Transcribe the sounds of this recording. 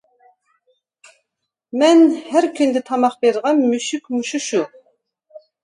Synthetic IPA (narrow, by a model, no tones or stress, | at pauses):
mænhæɾkʰynd̪ɛt̪ʰɑmɑχbeɾʁɑnmyʃykmuʃuʃu